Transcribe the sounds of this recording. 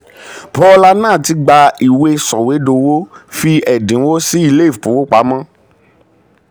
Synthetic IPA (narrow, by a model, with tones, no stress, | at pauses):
pɔ˦la˦nãː˦˨ti˧ɡ͡ba˧i˨we˧sɔ˨we˨˦do˧wo˦fi˧ɛ˨dĩ˨˦wo˦si˦i˧le˦i˦˨pu˨˦wo˦k͡pa˨˦mã˦